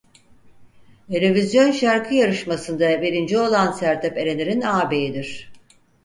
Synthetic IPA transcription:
eɾevizjo̞nʃaɾkʰɯjaɾɯʃmasɯnd̪ave̞ɾind͡ʒio̞lˠansæɾt̪ʰɛpeɾe̞nʲeɾinaːbe̞jid̪iɾ̝̥

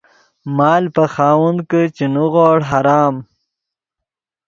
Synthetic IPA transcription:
mɑːlpaxɑːwund̪kət͡ʃinuɣoːɽɦaɾɑːm

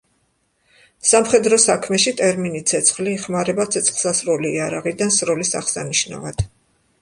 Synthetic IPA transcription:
samχɛd̪ɾɔsakʰmɛʃit̪ʼɛɾminit̪sʰɛt̪sʰχliːχmaɾɛbat̪sʰɛt̪sʰχlˠsasɾuliːaɾaʁid̪ansɾɔlisa̰χsa̰niʃna̰vad̪̥

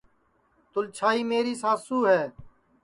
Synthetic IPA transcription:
t̪ʊlt͡ʃʰaːiːmeːɾiːsaːsuːɦɛː

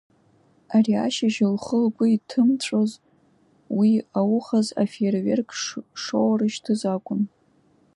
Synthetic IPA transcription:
aria̰ʃaʒɪlχəlɡʷʼʊitʰɨmʈ͡ʂʷʰʼoz | wiawʊχaza̰fervḛrkʰʂʂowrɨʃtʰɨzakʷʼʊn

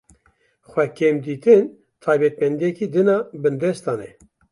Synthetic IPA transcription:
xʷɛkʰemd̪iːt̪ɨn | t̪ʰɑːjbɛt̪̚mɛnd̪ijɛkiːd̪ɨnɑːbɨnd̪ɛst̪ɑːnɛ

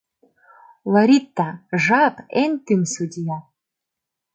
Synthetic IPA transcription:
lˠɑɾʲit̪ːɑʒɑpent̪ɨmsud̪ʲijɑ

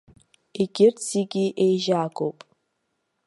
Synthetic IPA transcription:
iɡʲɪrsiɡʲiʔejʒaːɡowpʼ

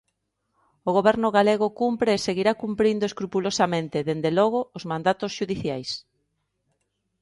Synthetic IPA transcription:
oɣ̞oβɛɾnʊɣaleɣ̞ʊkumpɾeːseɣiɾakumpɾind̪oeskɾupulosamẽnt̪ɪðend̪elɔɣ̞oːzmãnd̪at̪ʊsʃuðiθjajs

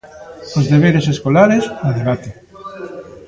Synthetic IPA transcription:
ozðeβeɾeseskolaɾesnoðeβ̞at̪e

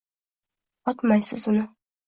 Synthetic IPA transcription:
ɒt̪majsɪzʊnɪ

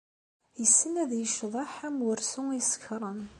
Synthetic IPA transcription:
jəsːənæðjəʃðˤɑħæmwʊɾsʊisə̥kɾˤən

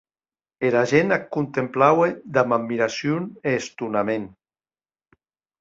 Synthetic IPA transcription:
eɾaʒenakunt̪emplawed̪amammːiɾasjuneːst̪unamen

